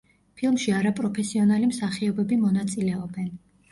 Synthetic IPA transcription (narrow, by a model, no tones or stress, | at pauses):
pʰilˠmʃiaɾapʼɾɔpʰɛsiɔnalimsaχiɔbɛbimɔnat̪sʼilɛɔbɛn